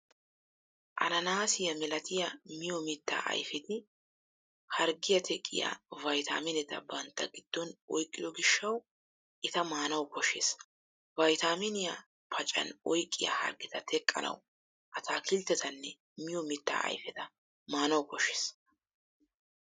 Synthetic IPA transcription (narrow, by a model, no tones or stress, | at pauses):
ʔɐ̰nɐnaːsɪjɐmɛlɐt̪ɪjɐmɪjɔmɪt̪ːa̰ːʔɐ̰jfɛt̪ɪ | hɐɾɡɪjɐt̪ʰɛkʼːɪ̰ja̰ːvɐjt̪a̰ːmɪnɛt̪ɐ̰bɐnt̪ːɐ̰ɡɪd̪̥ːɔnɔjkʼːɪd̪ɔɡɪʃːɐw | ʔɪt̪ɐmaːnɐwkɔʃeːs | vɐjt̪aːmɪnɪjɐ | pʰɐt͡ʃʼɐ̰nɔjkʼːɪjɐ̰hɐ̰ɾɡɪt̪ɐt̪ʰɛkʼːɐ̰nɐ̰w | ʔɐt̪ʰaːkʰɪlt̪ːɛt̪ɐnːɛ | mɪjɔmɪt̪ːa̰ːɐ̰jfɛt̪ɐ | maːnɐwkɔʃːeːs